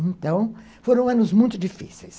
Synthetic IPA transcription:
ẽnt̪ɐ̃w̃ | foɾɐ̃w̃ɐ̃nʊzmũj̃t̪ʊd͡ʒifisejs

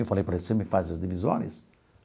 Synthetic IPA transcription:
ewfalejpaɾesemɪfazɐzd̪ivizõ̰nɪ̰s

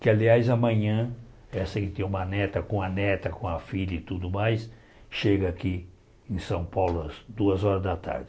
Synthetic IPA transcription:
kɪaliajzɐmɐ̃ɲɐ̃ | ɛsẽkt̪eũmɐnɛt̪ɐkõɐnɛt̪ɐkõɐfiʎɐit̪ud̪ʊmajs | ʃeɡɐaki | ẽsɐ̃w̃pawlʊɐzd̪uɐzɔɾɐzd̪ɐt̪a̰ɾd͡ʒɪ

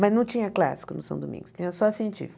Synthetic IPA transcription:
mɐznɐ̃w̃t͡ʃĩɲɐkla̰si̥kʊnʊsɐ̃d̪omḭ̃ŋɡʊ̥st͡ʃĩɲɐsɔɐsĩẽnt͡ʃḭfik

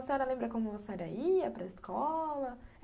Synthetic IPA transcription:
sɛɾɐlẽmbɾɐkõmʊvosɛɾɐiɐpɾɐiskʰɔlɐ

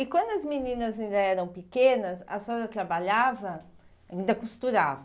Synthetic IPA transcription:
ɪkwɐ̃nd̪ʊɐzminĩnɐzaĩnd̪ɐɛɾɐ̃w̃pikẽnɐsɐ̰sɔzɐt̪ɾabaʎavɐ | aĩnd̪ɐkust̪uɾavɐ

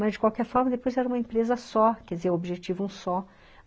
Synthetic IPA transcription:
mɐzd͡ʒɪkwawkɛɾfɔɾmɐd̪epojzɛɾɐũmɐẽmpɾezɐsɔkɛd͡ʒɪzeɾobiʒet͡ʃivũsɔ

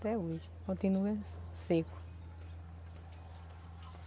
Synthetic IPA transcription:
t̪ɛoʒ | kõnt̪inuɐ | seku̥

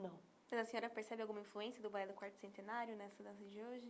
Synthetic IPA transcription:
nɐ̃w̃ | mɐzɐsẽɲɔɾɐpeɾsɛbɪawɡũmɐĩfluẽsiɐd̪ʊbajlʊkwaɾt̪ʊ̥sẽnt̪enaɾjʊnɛsɐd̪ɐsɐd͡ʒoʒɪ

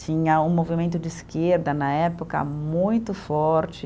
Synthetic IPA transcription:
t͡ʃĩɲɐũmovimẽnt̪ʊd͡ʒɪiskeɾd̪ɐnɐɛpokɐ̰mũj̃t̪ʊfɔɾt͡ʃɪ

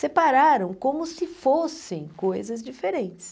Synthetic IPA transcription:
sepaɾaɾɐ̃w̃kõmʊsɪfosẽj̃kojzɐzd͡ʒifeɾẽnt͡ʃɪ̥s

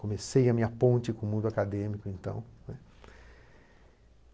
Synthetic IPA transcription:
kõmesejɐmĩɲɐpõnt͡ʃɪkõmũnd̪ʊakad̪ẽmikʊẽnt̪ɐ̰̃w̃nɛ

